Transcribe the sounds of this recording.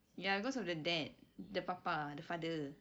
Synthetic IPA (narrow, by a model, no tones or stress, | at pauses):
jabikɔsɔfdədɛt̚dəpapadəfadə